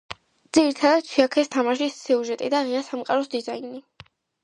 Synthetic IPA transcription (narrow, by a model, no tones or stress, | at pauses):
d̪z̥iɾit̪ʰad̪ad̪̚t͡ʃʰwiakʰɛst̪ʰamaʃisːiuʒɛt̪ʼid̪aʁiasamqʼa̰ɾɔsd̪izaini